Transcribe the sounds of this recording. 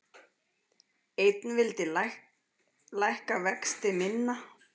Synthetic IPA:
ejt̪nvɪlt̪ɪ | lajhkavɛkst̪ɪmɪnːa

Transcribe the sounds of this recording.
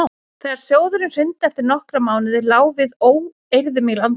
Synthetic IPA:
θɛɣaɾ̥sjoːwðʏɾɪmr̥ʏnt̪ɛft̪ɪɾnɔhkɾamaːwnɪðɪɾlaːwvɪðoːw | ejɾðʏmɪlan

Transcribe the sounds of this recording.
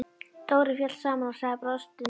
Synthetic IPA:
t̪oːwɾɪfjœ̥saːmanasaːpɾɔst̪ʏ

